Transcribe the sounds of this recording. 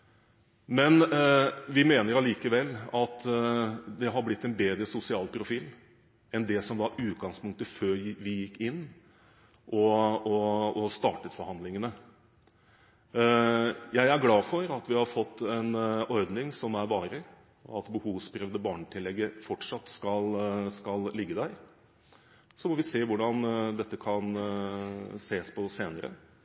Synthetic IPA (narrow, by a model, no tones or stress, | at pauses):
mɛn | ʋɪmeːnəɾɑliːkəʋɛlːɑt̪ | d̪ɛɦɑɾblɪt̪ːɛnbeːd̪ɾəsʊsɪɑːlpʰɾʊfiːl | ɛnd̪ɛsɔmʋɑɾʉːt̪ɡɑŋspʊŋkt̪əføːɾʋɪjɪkːɪnː | ʔɔɔɔst̪ɑːʈət̪fɔɾhɑnd̪lɪŋənə | jæɪæɾɡlɑːfɔɾɑt̪ʋɪhɑɾfɔt̪ːɛnɔɾd̪nɪŋsɔmæɾʋɑːɾə | ɔ̰ɑt̪bəhuːʋspʰɾœʋd̪əbɑːɳəʈ̪ʰɪlːɛɡːəfɔʈʂɑt̪ːskɑlskɑllɪɡːəd̪æɾ | sɔmɔʋɪseːʋʊɖɑnd̪ɛt̪ːəkʰɑn | seːspʰɔseːnəɾə̰